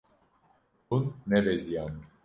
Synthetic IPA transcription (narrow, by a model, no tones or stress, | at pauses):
unːɛvezijan